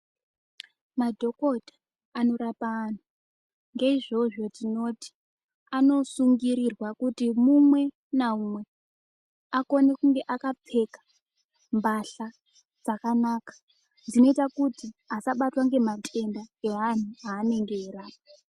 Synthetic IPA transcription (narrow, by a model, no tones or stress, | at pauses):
madʱo̞ko̞dʱḁː | no̞ɾapaːn̤o | ŋɡe̞iʐo̞ʐo̞tino̞ti̥ | ano̞suŋɡiɾirwakutimumwe̞ | naumwe̞ | ako̞nekuŋɡe̞ʔakap͡fe̞kḁ | mbaɬa | d͡zakanaːkḁ | d͡zino̞itakutiasaɓatwaŋɡe̞matʰe̞ndaeɦan̤uaːne̞ŋɡe̞ːɾaːpa